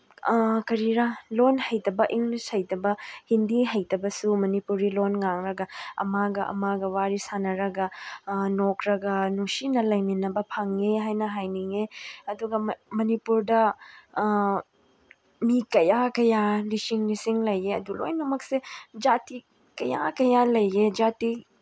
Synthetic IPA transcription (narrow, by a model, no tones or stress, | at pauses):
kɐɾiɾalonhɐjtɐbɐʔiŋɡlishɐjtɐbɐhindiɦɐjtɐbɐsumɐnipuɾilonŋaŋɾɐɡɐɐ̰maɡɐʔɐ̰maɡɐwaɾisanɐɾɐɡɐnokɾɐɡɐnusinɐlɐjminɐbɐpʰaŋeɦajnɐɦajniŋeɐduɡɐmɐnipuɾdɐ | mikɐjakɐjalisiŋlisiŋlɐjeɐ̰dulo̰jnɐmɐksed͡ʒati | kɐja̰kɐjalɐjed͡ʒati